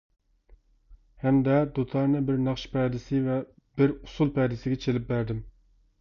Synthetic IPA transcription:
hɛmd̪ɛd̪ot̪ʰɑɾnɨbɪɾnɑχʃpʰɛd̪ɪsɪvɛ | b̥ɪɾu̥sulˠpʰɛd̪ɪsɪɡʲɛt͡ʃʰelɪp̚bæɾd̪ɪm

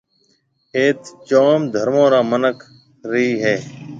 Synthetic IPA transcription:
eːt̪t͡ʃoːmd̪ʱəɾmõːɾaːmənəkʰ | ɾiːɦeː

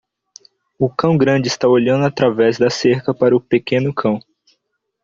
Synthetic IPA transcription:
ʊkɐ̃w̃ɡɾɐ̃d͡ʒɪst̪aoʎɐ̃nd̪ʊat̪ɾavɛzd̪ɐseɾkɐpaɾɐʊpekẽnʊkʰɐ̃w̃

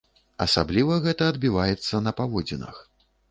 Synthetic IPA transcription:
ɐsablʲivɐɣɛt̪ɐːd̪̚bʲivajɛt̪sːɐnɐpavɔd͡zʲinɐ̰x

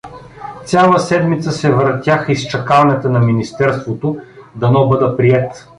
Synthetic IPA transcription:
sʲalˠəsɛd̪mit̪səsɛvɾt̪ʲjaxist͡ʃɐkavɐnɛt̪ənɐminist̪ɛɾst̪vot̪od̪ɐnɔbɤd̪əpɾiɛt̪

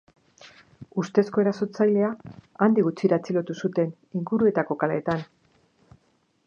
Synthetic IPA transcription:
ust̪e̞sko̞e̞ɾaso̞t͡sajle̞aand̪iɣut͡siɾat͡silo̞t̪usut̪e̞n | iŋɡuɾue̞t̪ako̞kaleːt̪an

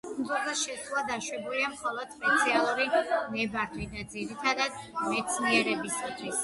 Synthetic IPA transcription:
smd̪zɔɾbaʃɛsʰlulad̪aʃwɛbuliamχɔlˠɔd̪̥spɛt̪sʰialˠuɾinɛbaɾt̪ʰwid̪ad̪ziɾit̪ʰad̪ad̪mɛt̪sʰniɛɾɛbisat̪ʰwis

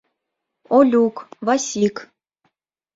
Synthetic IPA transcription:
olʲukvɑsʲik

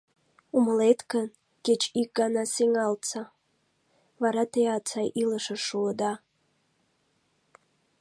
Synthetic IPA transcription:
umaletʰɡan | ɡ̥ʲɪt͡ʃʼikʼanasiŋalt͡sʰa | vaɾatʰejat͡sʰajʔilaʂaʂuda

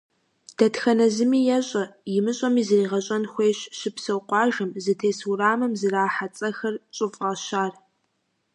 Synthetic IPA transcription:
d̥ɐtxɐnɐzɨmiːjɛɕʼɐjɪmɨɕʼɐmiːzɨriːʁɐɕʼɐnxʷeːɕʃɪpsɨwqʷɑːʒɨmzɨtʰeːsuraːmɨmzɨraːħat͡sʼɐxɐrt͡ʃʼɨfʼʁɐʃaːr

